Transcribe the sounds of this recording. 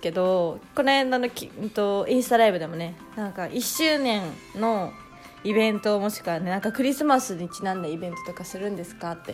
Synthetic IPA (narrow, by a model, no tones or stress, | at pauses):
ke̞d̪o̞ko̞nohẽnːanok̪ʲːt̪o̞ĩɰ̃sɨ̥t̪aɾaibɯ̟d̪e̞mo̞ne̞ | nãŋkaʔiɕːɨːnẽ̞n | no̞ | ibẽ̞nt̪o̞ːmo̞ɕi̥kɯane̞nãŋkakɯ̟ɾʲisɨmasɨɲ̟it͡ɕinãnd̪aibẽ̞nt̪o̞t̪o̞kasɨɾɯ̟̃nd̪e̞sɨ̥kat̪ːe̞